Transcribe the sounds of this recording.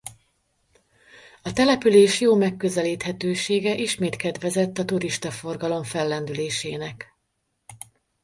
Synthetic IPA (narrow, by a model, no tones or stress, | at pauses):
ɒt̪ɛlɛpyleːʃjoːmɛkːøzɛliːt̪hɛt̪øːʃeːɡɛʔiʃmeːt̪kɛd̪ʋɛzɛt̪ːɒt̪uɾiʃt̪ɒfo̞rɡɒlo̞ɱfɛlːɛnd̪yleːʃeːnɛk